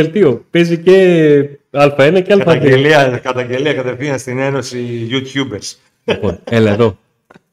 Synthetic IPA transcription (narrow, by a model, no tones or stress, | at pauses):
elt̪io̞pe̞zice | ɐlfɐenɐceɐlfɐðieliɐkɐt̪ɐɲɟe̞liɐkɐt̪eθiɐnst̪ineno̞siʝut̪çubeɾs | lipo̞nelɐeðo̞